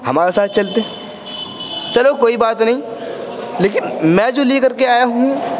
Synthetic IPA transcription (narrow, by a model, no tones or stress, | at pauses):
hɐmaːɾesaːt̪̚ʰt͡ʃɐlt̪eɦɛ̃ | t͡ʃɐlokoːibaːt̪nɐɦĩ | leːkɪnmɛ̃d͡ʒoːlekɐɾkeaːjaɦũ